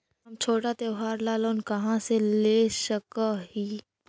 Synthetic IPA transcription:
ɦɐmt͡ʃʰoːʈat̪eʊɦaːɾlaːloːnkɐɦãseleːʃəkahiː

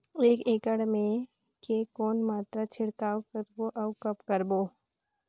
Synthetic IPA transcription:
eːkeːkəɽmẽ | kekɔːnmaːt̪ɾat͡ʃʰɪɽkaːwkəɾboʔɐwkɐpkəɾboː

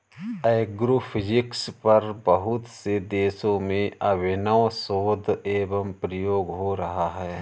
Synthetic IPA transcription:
eːɡɾofʰɪd͡ʒɪkspɐɾbɐɦʊt̪sed̪eːsõmẽʔɐbɪnəʋsoːd̪ʱeːbəmpɾəjoːɡɦoɾɐɦaɦɛː

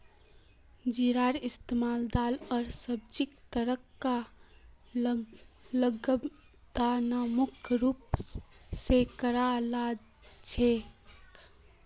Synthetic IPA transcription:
d͡ʒiɾaːɾɪst̪emaːld̪aːlɔːɾsəb̚d͡ʒikt̪əɾəkːa | ləɡ | d̪anamʊkʰɾuːp | sekəɾala | t͡ʃʰek

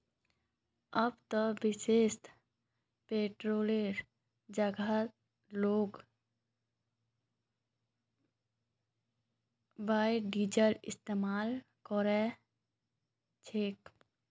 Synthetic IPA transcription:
əbt̪əʋɪʃeːʃt̪ | peːʈɾoːleɾ | d͡ʒəɡa | loːɡ | baːjɖiːd͡ʒəlɪst̪eːmaːl | kɔɾɛ | t͡ʃʰeːk

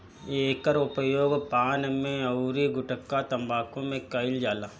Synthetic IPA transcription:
eːkəɾʊpəjoːɡpaːnmẽɐɾiɡʊʈəkːat̪ɐ̃mbaːkõmẽkɐɪld͡ʒaːlaː

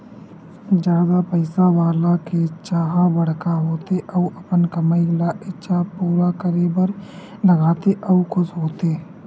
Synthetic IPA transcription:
d͡ʒjaːd̪apɛɪsaʋaːlaket͡ʃaːɦabɐɽ̤kaɦoːt̪eʔɐuʔɐpənkɐməilaʔɪtːʃʰapuːɾakəɾebəɾlɐɡaːt̪eʔɐukʰʊsɦoːt̪eː

